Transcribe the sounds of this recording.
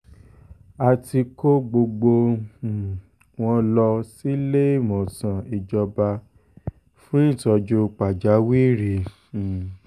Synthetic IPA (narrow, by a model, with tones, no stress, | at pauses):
a˧ti˧ko˦ɡ͡bo˧ɡ͡bo˧˨ | w̃ɔ̃˧lɔ˧si˦le˦˨mɔ̃˨sã˨i˨d͡ʒɔ˧ba˧ | fũ˦ĩ˦˨tɔ˧d͡ʒu˧k͡pa˨d͡ʒa˨˦wi˦˨ɾi˨